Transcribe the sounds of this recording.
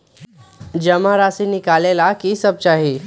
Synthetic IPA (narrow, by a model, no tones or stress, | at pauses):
d͡ʒəmaɾasinɪkaːlelakisəb̚t͡ʃaːɦiː